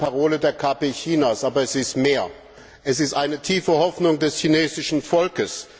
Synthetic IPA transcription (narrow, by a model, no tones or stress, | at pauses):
paʁoːlədeːɐkʰaːpeçiːnasʔaːbɐɛsɪstmeːɐ | ʔɛsɪstʔaɪnətʰiːfəhɔfnʊŋdɛsçineːzɪʃn̩fɔlkəs